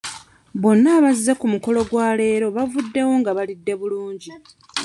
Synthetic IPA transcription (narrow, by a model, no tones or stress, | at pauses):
βo̞nːaːβazːekumuko̞lo̞ɡwaːle̞ːɾo̞βavudːe̞wo̞ŋɡaβalidːe̞βuluːɲɟi